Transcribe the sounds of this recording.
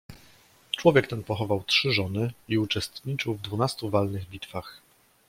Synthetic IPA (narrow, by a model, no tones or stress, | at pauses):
t͡ʂwɔvʲjɛk̚t̪ɛnpɔxɔvawtʂɘʐɔnɘiut͡ʂɛst̪ɲit͡ʂɘwvd̪vunast̪uvalnɘɣbʲit̪fax